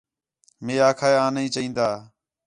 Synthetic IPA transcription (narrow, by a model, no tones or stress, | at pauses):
mẽːaːkʰaːeːaːnĩːt͡ʃəĩːnd̪aː